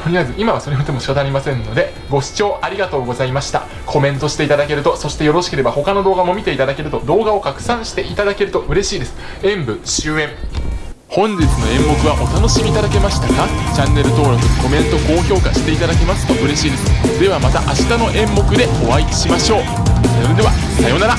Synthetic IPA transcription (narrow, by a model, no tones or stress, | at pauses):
t̪oɲ̟ʲiβazɨʔimaβaso̞ɾe̞od̪e̞mo̞ɕi̥kat̪anːaɾʲimasẽ̞nːo̞d̪e̞ | ɡo̞ɕi̥t͡ɕo̞ːʔaɾʲiɡat̪o̞ːɡo̞zaimaɕi̥t̪a̰ | kʰo̞mẽ̞nt̪o̞ɕi̥t̪e̞it̪ad̪ake̞ɾɯ̟t̪o̞so̞ɕi̥t̪ejo̞ɾo̞ɕi̥ke̞ɾe̞baho̞kano̞d̪o̞ːɡamo̞mʲit̪e̞it̪ad̪ake̞ɾɯ̟t̪o̞d̪o̞ːɡao̞kakɯ̟̥sãɰ̃ɕi̥t̪e̞ʔit̪ad̪ake̞ɾɯ̟t̪o̞ʔɯ̟ɾe̞ɕiːd̪e̞sɨ̥ | ẽ̞mbɯ̟ɕɨːẽ̞ɴ | hõ̞ɲ̟d͡ʑit͡sɨno̞ẽ̞mbo̞kɯ̟βaʔo̞t̪ano̞ɕimʲiːt̪ad̪ake̞maɕi̥t̪akat͡ɕãnːe̞ɾɯ̟t̪o̞ːɾo̞kɯ̟ko̞mẽ̞nt̪o̞ko̞ːço̞ːkaɕi̥t̪e̞it̪ad̪ake̞masɨ̥t̪oʔɯ̟ɾe̞ɕiːd̪e̞sɨ̥d̪e̞β̞amat̪aʔaɕi̥t̪ano̞ʔẽ̞mːo̞kɯ̟d̪e̞o̞βaiɕimaɕo̞ː | sajoɾed̪e̞βasajo̞naɾa